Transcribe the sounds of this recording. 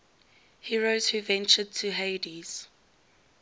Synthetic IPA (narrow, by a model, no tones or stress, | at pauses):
hiɹoz̥huvɛ̃nt͡ʃəd̚tʰuɦeɪdiz̥